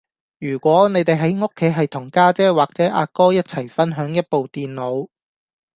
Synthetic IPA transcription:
jyː˨˩kʷɔː˨˥ne˨˧˥jt̪e˨jɦɐ˨˥jŋo˥kʰːe˨˥jɦɐ˨jt̪ʰʊ˨˩ŋkaː˥t͡sɛː˥waː˨˩k̚t͡sɛː˨˥ʔa̰ː˧kɔː˥jɐ˥t̚t͡sʰɐ˨˩jfɐ˥nɦœː˨˥ŋjɐ˥t̚po˨wt̪iː˨nlo˨˧w

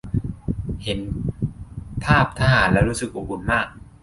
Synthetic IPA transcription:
he˩˦n | pʰaː˥˩p̚t̪ʰa˦˧˥ɦaː˨˩˦nlɛː˦˥wɾuː˦˥sɯ˨˩k̚ʔo˨˩kʰu˧nmaː˥˩k̚

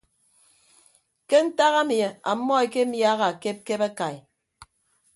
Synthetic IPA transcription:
ke˦n̩˦ta˦ɣa˦mje˨a˨˦mːɔ˦e˨ke˦m̩˦ja˦ɣa˨a˨ke˦p̚ke˦ba˦ka˨j

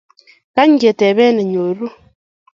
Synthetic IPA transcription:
ka˦ɲ˦ɡe˨tɛ˨βɛ˦ne˨ɲo˨ɾu˦

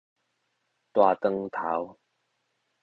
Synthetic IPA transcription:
t̪waː˨˩t̪ə˧ŋt̪ʰa˨˦w

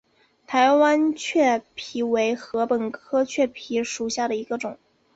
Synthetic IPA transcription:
t̪ʰa˧˥ɪwa˥nt͡ɕʰɥɛ˥˩pʰi˧˥we˧˥ɪxɤ˧˥pə˨˩nkʰɤ˥t͡ɕʰɥɛ˥˩pʰi˧˥ʂu˨˩ɕja˥˩ɾə˩i˧˥ɡə˧ʈ͡ʂʊ˨˩˦ŋ

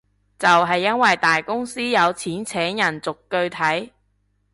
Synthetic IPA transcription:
t͡sɐ˨wɦɐ˨jːɐ˥nwɐ˨jt̪aː˨jkʊ˥ŋsiː˥jɐ˨˧wt͡sʰiː˨˥nt͡sʰɛː˨˥ŋjɐ˨˩nt͡sʊ˨kːɵ˧ɥt̪ʰɐ˨˥j

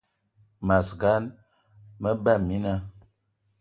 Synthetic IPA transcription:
ma˨sɡa˨˦n | mə˦ba˦˨mi˦na˦

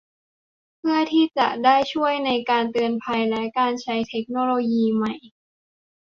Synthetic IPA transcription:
pʰɯ˥˩ət̪ʰiː˥˩t͡ɕa̰˨˩ʔdaː˥˩jt͡ɕʰu˥˩əjna˧jkaː˧nt̪ɯ˧ənpʰa˧jlɛ˦˥kaː˧nt͡ɕʰa˦˥jt̪ʰe˦˥k̚noː˧loː˧jiː˧ma˨˥˩j

